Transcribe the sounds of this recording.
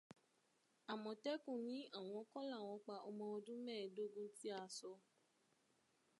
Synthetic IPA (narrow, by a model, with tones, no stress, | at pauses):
a˨mɔ̃˨tɛ˦kũ˦˨nĩ˨˦a˦˨w̃ɔ̃˧˦kɔ˦la˦˨w̃ɔ̃˨˧k͡pa˧ɔ˧mɔ̃˧o˧dũ˦mɛ̃ː˦˨do˦ɡũ˦ti˦a˧sɔ˧